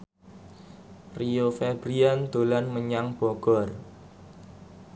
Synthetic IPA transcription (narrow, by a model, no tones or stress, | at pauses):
riofɛbɾiand̪̥o̤lanməɲaŋb̥ɔɡ̥ɔ̤r